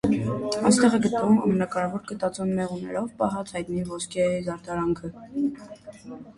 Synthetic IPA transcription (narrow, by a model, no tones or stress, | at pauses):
ɑnst̪ɛʁɛɡət̪nəvumɑ̰mənɑkɑɾɛvɔɾkət̪ɑt͡sɔnmɛʁunɛ̰ɾɔvpɑɦɑt͡sʰhɑjt̪nivɔskʰɛzɑɾt̪ɑɾɑŋkʰə